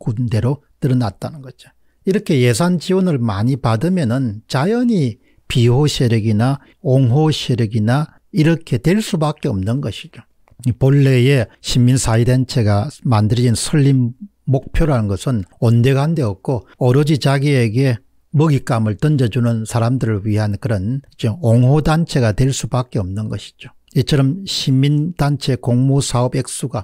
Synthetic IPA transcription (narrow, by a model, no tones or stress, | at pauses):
kunde̞ɾo | tɯɾʌnat̚t͈anɯnɡʌd͡ʑo | iɾʌkʰe̞je̞sʰand͡ʑiwʌnɯɭmaɲipadɯmjʌnɯnt͡ɕajʌɲi | piɦoɕʰeɾeɡina | oŋɦoɕʰeɾeɡina | iɾʌkʰe̞tweɭs͈ubak͈e̞ʌ̰mnɯnɡʌɕʰi̥d͡ʑo | poɭːe̞jeɕʰimːinsʰaident͡ɕʰeɡamandɯɾid͡ʑinsʰɯɭːiː | ok̚pʰjoɾɦanɯnɡʌsʰɯnonde̞ɡɦande̞ʌk̚k͈oʌɾʌd͡ʑit͡ɕaɡieɡe̞ | mʌɡik͈amɯɭt͈ʌnd͡ʑʌd͡ʑunɯnsʰaɾamdɯɾɯɭɥiɦankɯɾʌnit͡ɕeoŋɦodant͡ɕʰe̞ɡatweɭs͈ubak͈e̞ʌmnɯnɡʌɕʰi̥d͡ʑo | it͡ɕʰʌɾʌmɕʰimːindant͡ɕʰe̞koŋmosʰaʌbek̚s͈uɡa